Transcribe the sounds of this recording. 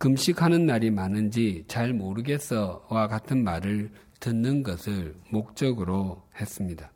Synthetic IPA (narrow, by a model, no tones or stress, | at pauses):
kɯmɕʰikʰanɯnmaɾimanɯnd͡ʑit͡ɕaɭmoɾɯɡe̞s͈ʰʌwakatʰɯnmaɾɯɭ | tɯnːɯnɡʌsʰɯɭmok̚t͡ɕ͈ʌɡɯɾohe̞s͈ɯmɲida